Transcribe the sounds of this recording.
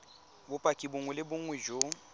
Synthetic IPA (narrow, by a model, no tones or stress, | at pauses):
bʊpʼakʼibʊŋwɛlɪbʊŋ̩wɛʒo